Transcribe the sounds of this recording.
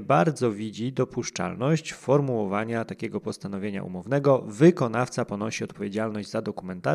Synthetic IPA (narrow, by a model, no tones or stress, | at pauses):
baɾd̪zɔvʲid͡ʑid̪ɔpuʂt͡ʂa̰lnɔɕt͡ɕfɔɾmuwɔvaɲat̪akʲɛɡɔpɔst̪anɔvʲjeɲa̰ʔṵmɔvnɛɡɔvɘkɔnaft̪sapɔnɔɕiɔt̪̚pɔvʲjed͡ʑalnɔʑd͡ʑzad̪ɔkumɛnt̪a